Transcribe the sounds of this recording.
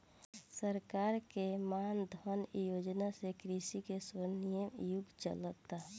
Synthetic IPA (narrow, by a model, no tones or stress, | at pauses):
səɾkaːɾkemaːnd̪ʱɔnjoːd͡ʒnasekɾisikesənijəmjʊɡt͡ʃə̰lət̪a